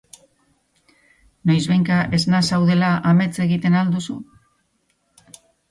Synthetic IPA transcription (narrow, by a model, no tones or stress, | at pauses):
nojzβejŋkaʔe̞znasawð̞e̞laʔame̞t͡se̞ɣit̪e̞nald̪usu